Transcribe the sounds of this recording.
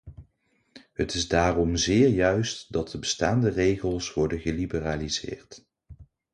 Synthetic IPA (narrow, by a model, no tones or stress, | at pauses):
ɦətɪzdaːrɔmzɪːɹjœɥstdɑt̚dəbəstaːndərejχəlˠsʋɔɹdənχəlibəraːlizɪ̰ːɹt